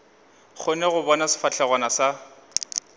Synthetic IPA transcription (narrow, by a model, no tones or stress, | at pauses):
χʰʊnɛɣʊbɔnasɪ̥fat͡ɬʰɛɣwanasa